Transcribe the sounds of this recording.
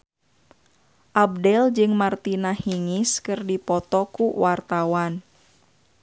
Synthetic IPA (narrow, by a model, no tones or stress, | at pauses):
ʔab̚dɛld͡ʒɨŋmart̪inahiŋiskɨrdipɔt̪ɔkuwart̪awan